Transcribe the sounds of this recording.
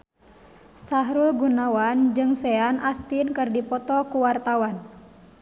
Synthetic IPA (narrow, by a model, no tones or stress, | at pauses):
saɦɾulɡunawand͡ʒɨŋsɛanʔast̪inkɨrdipɔt̪ɔkuwart̪awan